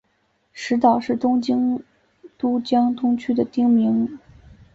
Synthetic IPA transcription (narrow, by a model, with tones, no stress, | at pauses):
ʂɻ̩˧˥t̪ɑ˨˩ʊʂɻ̩˥˩t̪ʊ˥ŋt͡ɕi˥ŋ | t̪u˥t͡ɕjɑ˥ŋt̪ʰʊ˥ŋt͡ɕʰy˥d̪ə˨t̪i˥ŋmi˧˥ŋ